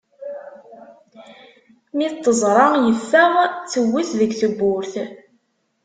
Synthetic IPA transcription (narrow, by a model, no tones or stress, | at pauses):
mit̪ˤːəzˤɾˤɑjəfːəʁt͡sːəwːiθðəɡθəbːʊɾθ